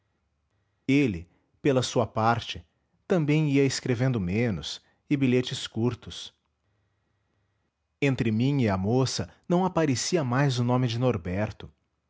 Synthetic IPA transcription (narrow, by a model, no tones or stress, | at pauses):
elɪ | pelɐsuɐpaɾt͡ʃɪ | t̪ɐ̃mbẽj̃iɐɪskɾevẽnd̪ʊmẽnʊ̰s | ɪbiʎet͡ʃɪskuɾt̪ʊs | ẽnt̪ɾɪmĩɪɐmosɐnɐ̃w̃apaɾesiɐmajzʊnõmɪd͡ʒɪnoɾbɛɾt̪ʊ